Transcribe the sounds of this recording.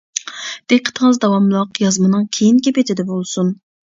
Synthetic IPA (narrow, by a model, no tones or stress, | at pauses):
d̪̥eqʰːə̥t̪ʰəŋəzd̪ɑwɑmlˠɑqjɑzmɨnɨŋkʲʰejinkʲepet̪ʰɪd̪ɛbolˠsun